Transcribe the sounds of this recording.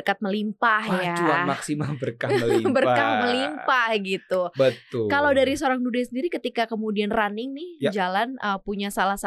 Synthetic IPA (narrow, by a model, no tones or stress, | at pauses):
kat̪̚məlimpahjad͡ʒuamaksimabərkaməbərkahməlimpahɡit̪ubət̪ʊkalawdaɾisəoɾaŋdudasəndiɾikət̪ikakəmudianranɪŋnɪhjd͡ʒalanəpuɲasalahsa